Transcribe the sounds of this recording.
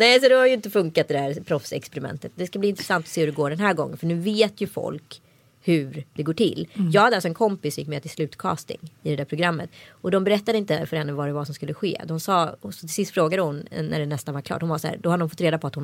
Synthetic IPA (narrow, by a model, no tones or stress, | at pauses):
nɛːsɔd̪ɛhaɾjʏɪnt̪əfɵŋkat̪̚d̪ɛd̪æɾpʰɾɔfsɛ̰kspɛɾɪmɛ̰nt̪ət̪̚d̪ɛskabliːɪnt̪ɾɛsant̪ɔseːhʉɖɛɡoːɖɛnɦæːɾɡɔ̰ŋːə̰nfœɳʉ̟ːveːt̪jɵfɔ̰lk | hʉɾd̪ɛɡoːʈʰɪ̰lːjɑːɡhad̪əalsɔɛnkʰɔmpɪsjɪ̰kːmɛt̪ʰɪlslʉ̟ːt̪kʰɑ̰ːst̪ɪ̰ŋɪd̪ɛd̪æɾpʰɾʊɡɾamːət̪ɔd̪ɔmbɛɾɛt̪ːad̪əɪnt̪əfœɾhɛnːəvaɖɛvasɔmskɵlːəɧḛːd̪ɔmsɑːsɔt̪ʰɪlsɪst̪fɾoːɡad̪əhʊnnæ̰ɖɛnɛst̪anvaɾkʰlɑ̰ːʈːhʊnvasahæ̰ːɾd̪ɔhad̪d̪ɔmfɔt̪ːɾeːd̪apʰɔat̪hʊn